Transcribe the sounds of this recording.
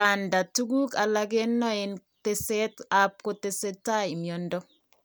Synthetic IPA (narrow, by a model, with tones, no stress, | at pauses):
a˨nda˨tu˦ɡu˦ka˨la˦ɡe˦nːɔ˦e˨nte˦se˦ta˦p̚ko˦te˨se˦tːa˦ɪ˨mjɔ˨ndɔ˦